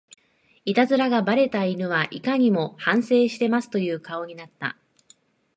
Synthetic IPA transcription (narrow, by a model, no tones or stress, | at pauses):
it̪azɨɾaɡabaɾe̞t̪ainɯ̟βaʔikaɲ̟imo̞hãɰ̃se̞ːɕi̥t̪e̞masɨ̥t̪o̞jɯ̟ːkao̞ɲ̟inat̪ːa̰